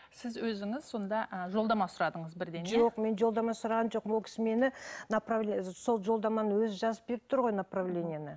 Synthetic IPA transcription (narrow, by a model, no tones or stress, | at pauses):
sɪzwɵzɪŋɪz̥so̞nd̪ɑʔʒolˠd̪ɑmɑsʊɾɑd̪əɴəzbɪɾd̪enʒo̞qme̞nʒo̞lˠd̪ɑmɑsʊɾɑʁɑnʒo̞q̚mwolˠkʲʰɪ̥sɪme̞nɪnapravlʲeso̞lˠʒo̞lˠd̪ɑmɑnəwɵzɪʒɑzəp̚be̞ɾɪp̚t̪ʰʊɾʁo̞jnapravlʲe̞nʲijanə